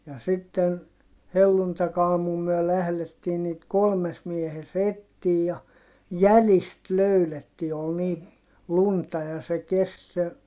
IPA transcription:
jɑ sitːen helːuntɑkɑːmum myø læhletːiːn niːt kolmes miehes etːiːj jɑ jælist løyletːi ol ni luntɑ jɑ se kest se

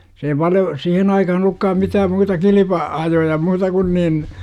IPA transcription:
se ei pɑljo sihen ɑikɑhɑn olˑukːɑːm mitæːm muːtɑ kilipɑ ɑjojɑ muːtɑ kun nin

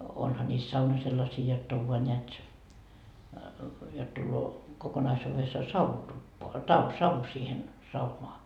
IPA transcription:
onhɑ nʲiːs sɑunɑ selːɑsiː jotː oʋ ʋoɑ nʲeæt jot tulːoː kokonɑisuːʋesːoɑ sɑuhu tupːoɑ tɑ sɑʋu siːhen sɑunoɑ

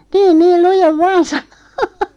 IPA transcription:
teːn niːl lujeʋ ʋɑːn sɑ̆no

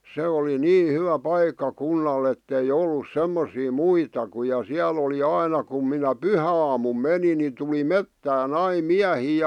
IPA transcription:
se oli niː hyʋæ pɑikːɑkunːɑlː etːei olːus semːosiː muitɑ ku jɑ siæl oli ɑinɑ kum minæ pyhæɑːmum meni ni tuli metːæːn ɑi miæhiː

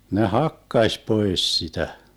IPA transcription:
ne hɑkːɑsʲ poes sitæ

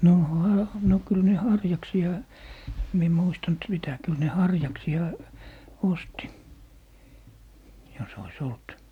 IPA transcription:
noˑ hɑ no kyl ne hɑrjɑksiɑ em mie muistɑnt sitæ kyl ne hɑrjɑksiɑ osti jos ois olt

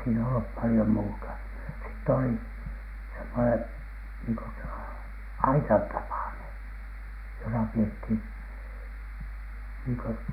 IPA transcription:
siːnæ olːup pɑlĭjom muːtɑ sitː oliˑ semːonen niːŋko s ɑitɑn tɑpɑˑnen̥ josɑ piethin niːŋ kø

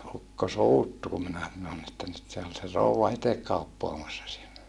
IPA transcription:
ukːo suːtːu kum minæ sɑnon etːæ nyt se ol se rouwɑ itek kɑupːoɑmɑsːɑ sielːæ

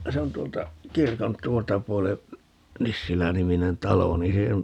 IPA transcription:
se on tˑuoltɑ kirkon tˑuoltɑ puole nisːilæniminen tɑlo niː se

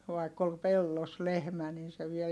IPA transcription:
ʋɑikː ol pelːos lehmæ nin̞ se ʋiel

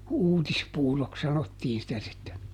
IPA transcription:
uːtispuːroks sɑnotːiːn sitæ sitːen̞

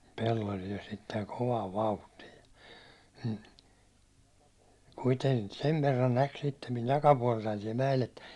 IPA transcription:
pelːol jo sitːeŋ koʋɑːʋ ʋɑuhtiː kuiteŋ seʋ ʋerːɑn næk sitːem min tɑkɑpuɒltɑin siɛl mæel etːæ̥

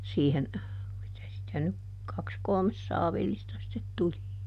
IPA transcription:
siːhen mitæ sitæ nyk kɑks kolmes sɑːʋilːistɑ sĭtet tuli

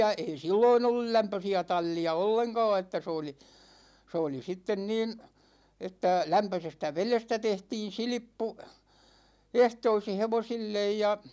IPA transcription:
ei silːoin olːul læmpøsiæ tɑl̠ːiɑ olːeŋkɑ̝ː etːæ s oːli s oːli sitːen niːn̞ etːæ læmpøsestæ ʋelestæ tehtiːn̞ silĭpːu ehtoisi heʋosilːej jɑ

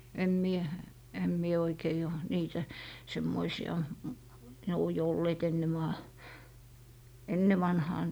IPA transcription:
em mie em mie oikei oˑ niːtæ semːoisiɑ ne o jo olːeːt enːe mɑː enːe ʋɑnhɑː

